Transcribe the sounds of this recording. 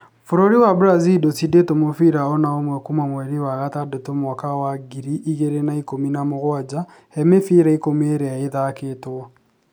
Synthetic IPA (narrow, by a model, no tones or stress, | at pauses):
foɾoɾiwabɾazidosidetomofiɾaɔnaomwɛkumwamwɛɾiwaɣatadotomwakawaɡiɾiʔːɣeɾenaikominamoɣwad͡ʒahɛmefiɾaikomeɾɛaeðaketwɔ